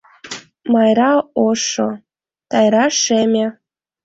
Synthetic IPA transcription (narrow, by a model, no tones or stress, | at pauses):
mɑjɾɑoʃo̰ | t̪ɑjɾɑʃemʲe